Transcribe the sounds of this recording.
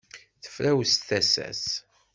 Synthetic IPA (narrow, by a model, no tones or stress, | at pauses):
θə̥flæwsθæsæ̰s